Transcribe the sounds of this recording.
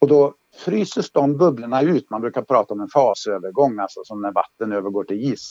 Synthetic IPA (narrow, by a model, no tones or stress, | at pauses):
ɔd̪ɔ | fɾyːsəʂd̪ɔmbɵbləɳaʉ̟ːt̪manbɾʉ̟ːkaɾpʰɾɑːt̪aɔmɛnfɑːsøːvəɾɡɔŋːalsɔsɔmnæɾva̰t̪ːənøːvəɾɡoːʈʰɪliːs